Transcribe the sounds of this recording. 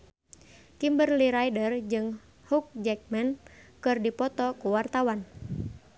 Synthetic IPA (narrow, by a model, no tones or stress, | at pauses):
kimbərliɾaidərd͡ʒɨŋ | huk̚d͡ʒɛk̚mɛnkɨrdipɔt̪ɔkuwart̪awan